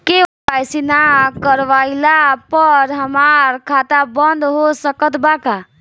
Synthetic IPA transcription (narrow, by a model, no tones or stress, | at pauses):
ke | ajsinakəɾʋailapəɾɦəmaɾkʰat̪abənd̪ɦosəkət̪baka